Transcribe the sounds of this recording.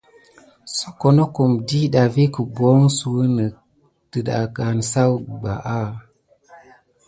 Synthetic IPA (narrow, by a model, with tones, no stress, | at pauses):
so˦ko˨no˦ko˨mdi˦ɗa˨vi˦kə˨bo˨˦ŋsu˨wə˦nə˨ | tə˨ɗa̰˨ka˨nsa˦wɡ͡ba̰˨ʔa˦